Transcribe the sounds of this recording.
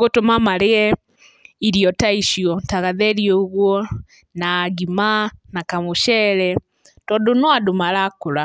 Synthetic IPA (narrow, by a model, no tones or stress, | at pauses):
ɣotomamaɾeɛ | iɾiɔtaiʃiɔtaɣaðɛɾiɔoɣwɔ | naːɣimanakamoʃɛɾɛ | tɔdonɔadomaɾakoɾa